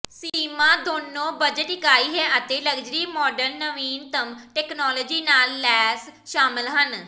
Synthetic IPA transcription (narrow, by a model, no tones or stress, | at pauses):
siːmãːd̪oːnːõːbəd͡ʒəʈɪkaːiːɦɛːʔət̪eːləɡd͡ʒɾiːmɔːɖəlnəʋiːnt̪əmʈɛːknɔːlɔːd͡ʒiːnaːlːɛːs | ʃaːmɪlɦən